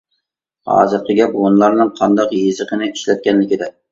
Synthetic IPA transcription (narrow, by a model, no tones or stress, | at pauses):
hɑ̰ːzɨɾ̚qʰəɡʲɛpwonlˠɑɾnɨŋqʰɑnd̪ɑqjezɨqənɪiʃlɛt̪̚kʲɛnlɪkʲid̪ɛ